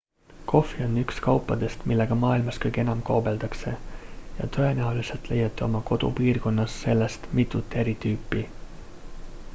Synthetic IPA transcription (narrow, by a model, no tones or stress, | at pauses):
kʰo̞fionykskɑwpːɑt̪est̪milːækɑmɑːilmɑskøjk̟enɑmkoːbelt̪ɑkseːjɑ̰t̪ʰoenæølːiselt̪lḛjet̪ːyo̞mɑko̞t̪ṵpiːrkonːɑsːe̞lːæɑst̪mit̪ːˑut̪ːˑeɾit̪yːpːi